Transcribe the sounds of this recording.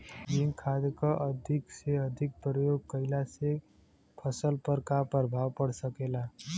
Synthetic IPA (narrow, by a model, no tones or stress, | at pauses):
liŋkʰad̪kəʔəd̪ʱikseəd̪ʱik̚pɾəjoɡ̚kəɪlase | pʰəsəlpəɾkapəɾbʱawpəɽsəkela